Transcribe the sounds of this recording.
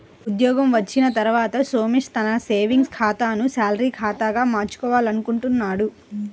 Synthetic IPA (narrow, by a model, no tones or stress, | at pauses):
ud̪jɔːɡɐmʋɐt͡ʃːinɐt̪ɐɾuʋaːt̪ɐso̞ːmiʂt̪ɐnɐse̞ːʋiŋɡskʰaːt̪aːnusaːlɐɾiːkʰaːt̪aːɡaːmaːɾt͡ʃu̥kɔːʋaːlɐnukuɳʈunːaːɽu